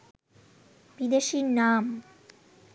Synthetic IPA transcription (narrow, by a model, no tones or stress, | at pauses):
bid̪eʃiɾnam